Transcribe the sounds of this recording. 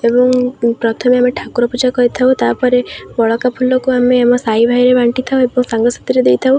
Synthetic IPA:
ebɔŋpɾɔt̪ʰɔmeameʈʰakuɾɔpud͡ʒakɔɦit̪ʰawt̪apɔɾebɔɭɔkapʰulːɔkuameːmɔsaibʱajɾebaɳʈit̪ʰaũebɔŋsaŋɡɔsḁt̪iɾed̪ejt̪ʰaw

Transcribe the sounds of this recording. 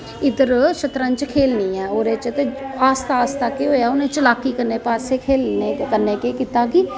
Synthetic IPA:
ɪd̪əɾʃət̪ɾãːnt͡ʃkʰeːlnĩːɛ̃ːoːɾeːt͡ʃət̪eːaːst̪aːst̪aːkeːɦoːjaːʊnẽːt͡ʃəlaːkːiːkəɾneːpaːseːkʰeːlnekəɾneːkeːkiːt̪aːkɪ

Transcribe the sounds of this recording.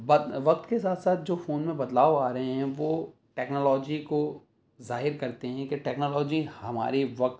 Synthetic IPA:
bɐd̪ʋɐk̚t̪kesaːt̪saːt̪̚d͡ʒoːfoːnmẽbɐd̪laːʋaːɾɐɦẽɦɛ̃ʋoː | ʈɛːknoːlɔːd͡ʒiko | zaːɦɪɾkɐɾt̪eɦɛ̃keʈɛːknoːlɔːd͡ʒihɐma̰ːɾiʋɐk̚t̪

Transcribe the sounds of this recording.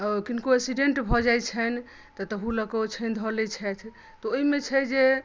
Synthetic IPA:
ɔkinkoesiɖeɳʈbʱɔd͡ʒajt͡ʃʰɛn | t̪ɔt̪əɦũləkət͡ʃʰɛnd̪ʱɔlɛt͡ʃʰɛt̪ʰ | t̪ɔoimet͡ʃʰɛd͡ʒe

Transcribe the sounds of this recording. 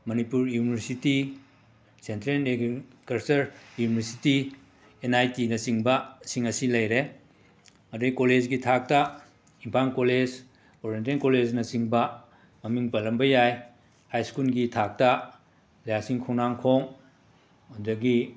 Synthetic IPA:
mɐnipuɾjunibʱɾsiti | sentɾenekɐɾsɐɾjunibɐɾsiti | enajtinɐsiŋbɐsiŋɐsilɐjɾe | mɐdɐkoled͡ʒɡitʰak̚tɐ | impʰankoled͡ʒ | oɾientenkoled͡ʒnɐsiŋbɐ | mɐmiŋpɐlɐmbɐjaj | hajskulɡitʰak̚tɐ | lɐjasiŋkʰoŋnaŋkʰoŋ | udɐɡi

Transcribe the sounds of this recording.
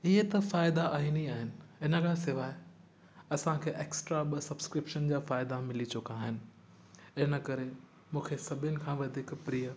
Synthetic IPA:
ɪɦet̪ɐfaːɪd̪aaːɦiːniaːɦɪnɪ̆ɪnə̆kʰãːsɪʋaːɪ | ɐsãkʰeːʔeːksʈɾaɓɐsɐbskɾɪpʃənd͡ʑaːfaːɪd̪amɪlit͡ɕʊkaːɦɪnɪ̆ | ɪnə̆kɐɾe | mũːkʰesɐbʱɪənɪ̆kʰãːʋɐd̪ʱiːkpɾiːə

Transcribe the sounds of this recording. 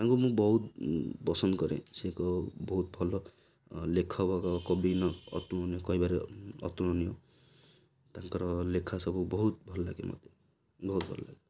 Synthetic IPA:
t̪ãŋkumũbɔɦut̪̚bɔsɔnkɔɾḛ̃sekɔbɔɦut̪̚bʱɔlɔ | lekʰɔbakɔkɔbinɔɔ̰t̪uɔniokɔɦibaɾeɔ̰t̪unɔnio | t̪ãŋkɔɾɔlekʰasɔbubɔɦut̪̚bʱɔlɔla̰ɡemɔ̰d̪e | bɔɦut̪̚bʱɔl̰la̰ɡe

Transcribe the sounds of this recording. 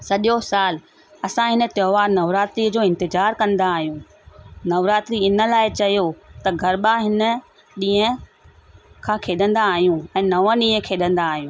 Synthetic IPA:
sɐʄosaːl | ɐsãɦɪnə̆t̪joːʋaːɾnɐʋɾaːt̪ɾid͡ʑoːɪ̃nt̪ɪzaːɾkɐ̃nd̪aːɦijũː | nɐʋɾaːt̪ɾiɪnə̆laːɪt͡ɕɐjot̪ɐɡʱɐɾɓaɦɪnə̆ | ɗĩːə̃ | kʰãːkʰeːɗə̃nd̪aːɦijũɛ̃ːnɐʋə̃ɗĩːə̃kʰeːɗə̃nd̪aːɦijũː

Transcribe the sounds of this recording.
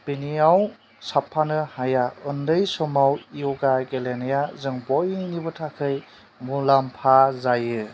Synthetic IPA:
b̥iniaw | sapʰːanɯhajaɯndɯjsɔmawijɔɡaɡelenejazɯŋbɔjnibɯtʰakʰɯj | mulampʰazajɯ

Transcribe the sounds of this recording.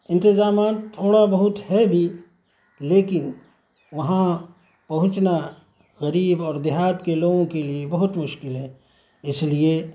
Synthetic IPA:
ɪ̃nt̪ɪzaːmaːt̪t̪ʰːoːɽabɐɦʊt̪hɛbʱi | leːkɪn | ʋɐɦã | pɐɦʊ̃t͡ʃna | ɣɐɾiːbɔːɾd̪ɪɦaːt̪keloːɡõkeliebɐɦʊt̪mʊʃkɪlɦɛ̃ | ɪslie

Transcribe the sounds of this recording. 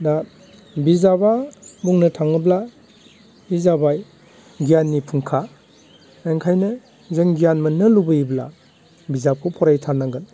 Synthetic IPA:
da | bizababuŋnɯtʰaŋɯbla | izabaj | ɡijanːipʰuŋkʰa | eŋkʰajnɯ | zeŋɡijanmɐnɯlubɯibla̰ | bizap̚kʰɔpʰɔɾajtʰanːaɡɯn

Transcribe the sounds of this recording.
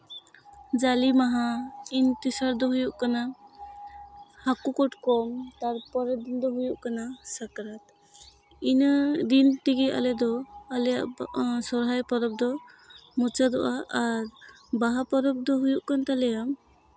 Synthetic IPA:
d͡ʒalimaɦaint̪isaɾd̪ɔɦujuʔkana | hakukɔʈkɔmt̪aɾpɔɾɛd̪ind̪ɔɦujuʔkanasakɾat̪̚ | ind̪int̪iɡia̰lɛd̪ɔalɛjaʔsɔɾɦajpɔɾɔp̚d̪ɔ | mut͡ʃad̪ɔʔaaɾ | baɦapɔɾɔp̚d̪ɔɦujuʔkant̪alɛjam

